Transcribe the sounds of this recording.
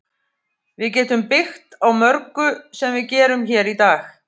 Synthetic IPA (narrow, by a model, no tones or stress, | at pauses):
vɪðcɛːt̪ʏmpɪxt̪awmœɾkʏsɛmvɪðcɛːɾʏmçɛːɾit̪aːx